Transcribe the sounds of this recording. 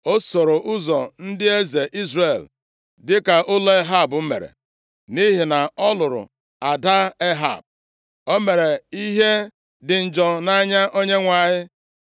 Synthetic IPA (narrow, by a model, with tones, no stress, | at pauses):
o˦so˨ɾo˨ʔʊ˦zɔ˨n̩˦dɪ˦e˦ze˨ʔi˦zre˨l | dɪ˦ka˨ʔʊ˦le˦ɦa˦˨bʊ˦mḛ˨ɾḛ˨ | ni˦ɦi˨na˨ɔ˦lʊ˨ɾʊ̰˨ | a˨da˦e˦ɦa̰˨b̚ | o˦me˨ɾe˨i˦ɦe˦ | dɪ˨n̩˨d͡ʒɔ˨na˦ɲa˦ʔo˦ɲe˦ŋʷa˨ɲɪ˦